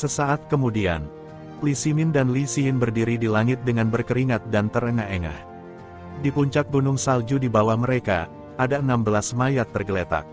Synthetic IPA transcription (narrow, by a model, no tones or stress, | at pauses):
səsaat̪̚kəmudia̰n | lisimɪndanlisiɪnbərdiɾidilaŋɪt̪̚dəŋanbərkəɾiŋat̪̚dant̪ərəŋaɦeŋa̰h | dipuɲt͡ʃak̚bunʊŋsald͡ʒudibawahməɾeka̰ | adaənambəlasmajat̪ːərɡəlet̪a̰k̚